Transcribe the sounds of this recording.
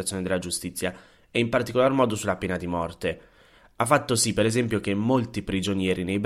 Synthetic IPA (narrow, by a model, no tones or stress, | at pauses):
at̪sjoːned̪elːad͡ʒust̪it̪sːja | ɛimpart̪ikolarmɔːd̪osulapeːnad̪imɔrt̪e | afːat̪ːosipːeɾezɛmpjok̟emːolt̪ipɾid͡ʒonjɛːɾinejb